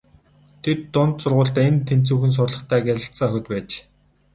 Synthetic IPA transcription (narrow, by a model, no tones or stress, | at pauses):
t̪ʰet̪ːʊnt̪sʊrʁʊːɮt̪ːent̪ʰen̥t͡suːxɘ̆ns̬ʊrɮə̆χt̪ʰæːɡʲæɮʲə̆ɬsə̆ŋœxʲɪ̆t̪̚pæːt͡ɕ